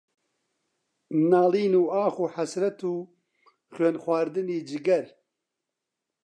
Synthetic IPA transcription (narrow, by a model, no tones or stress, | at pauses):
naːliːnuːaːxuːħasɾɐt̪ʰuː | xeːnxwaːɾd̪ɨniːd͡ʒɪɡɐɾ